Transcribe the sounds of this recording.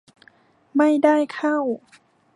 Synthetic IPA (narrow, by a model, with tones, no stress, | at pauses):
ma˥˩jda˥˩jkʰa˥˩w